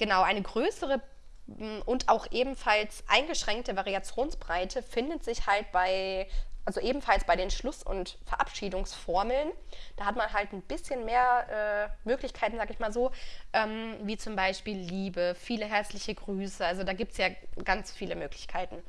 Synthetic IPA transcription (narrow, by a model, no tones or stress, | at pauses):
ɡ̥ənaʊʔaɪnəɡʁøːsəʁə | ʔʊntʔaʊxʔeːbm̩falsʔa̰ɪnɡəʃʁ̥ɛŋk̚təvaʁiat͡sjoːnsb̥ʁaɪtʰəfɪndətz̥ɪçhaltb̥aɪʔalzoʔeːbm̩falsb̥aɪɾeːnʃlʊsʊ̰ntfɛɐʔa̰pʃiːdʊŋsfɔɐml̩nd̥aːhatmanɦaltn̩b̥ɪsçənmeːɐʔɛːmøːklɪçkʰaɪtn̩zaːɡəɪçmaːlzoːʔɛːmviːt͡sʊmbaɪʃpiːlːiːbəfiːləɦɛɐt͡slɪçəɡʁyːsəalzodaːɡiːp̚tsjaːɡ̥ant͡sfiːləmøːklɪçkʰaɪtn̩